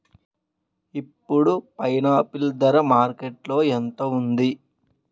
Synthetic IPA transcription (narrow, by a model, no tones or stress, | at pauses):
ipːuɽupɐjnaːpild̪ɐɾɐmaːɾkeʈlo̞ːent̪ɐund̪i